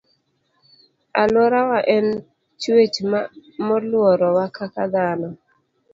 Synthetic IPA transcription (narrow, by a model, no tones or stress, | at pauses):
alwɔɾawaʔɛn | t͡ʃwet͡ʃmamɔlwɔɾɔwakʰakad̪anɔ